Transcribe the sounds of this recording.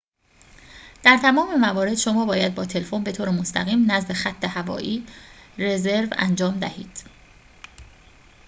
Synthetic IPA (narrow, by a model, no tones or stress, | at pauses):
d̪̥æɾt̪ʰæmɒːmemævɒːɾe̞d̪̥ʃo̞mɒːbɒːjæd̪̚bɒːt̪ʰe̞lefo̞nbe̞t̪ʰoːɾemost̪ʰæɣiːmnæzd̪e̞xæt̪ʰːe̞hævɒ̰ːʔiːre̞ze̞ɾvæ̰nd͡ʒɒːmd̪æ̰hiːd̪̥